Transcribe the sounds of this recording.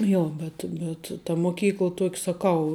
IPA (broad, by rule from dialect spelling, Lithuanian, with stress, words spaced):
ˈjoː ˈbʲɛt bʲɛt tɐ moːˈkʲiːklˠɐ ˈtuɔkʲ sɐˈkɐʊ